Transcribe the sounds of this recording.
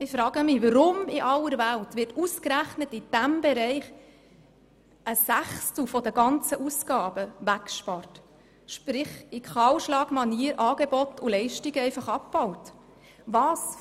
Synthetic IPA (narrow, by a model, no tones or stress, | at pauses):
ɪfɾɑːɡəmɪʋəɾʊmɪʔɑlːəɾʋæltʋɪɾtuskɾæχnətɪd̥æmbeɾɛɪχ | əsæχstl̩fɔdəɡɑnt͡səʔuskɑːb̥əʋækʃpɑɾt | ʃpɾɪχɪkχɑwʃlɑːɡmɑniːəɾʔɑːɡ̥ebɔtʊlɛɪʃtiɡəɛɪfɑχɑp̚b̥ɔwt | vɑːs